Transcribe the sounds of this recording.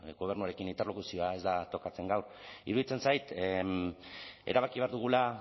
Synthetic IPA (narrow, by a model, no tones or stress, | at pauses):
ɡo̞β̞e̞ɾnuaɾe̞kinint̪e̞rlo̞kusio̞ae̞zd̪at̪o̞kat͡se̞ŋɡawr | ḭɾuðit͡se̞nsajt̪ | e̞ɾaβ̞akiβeaɾðuɣ̞ula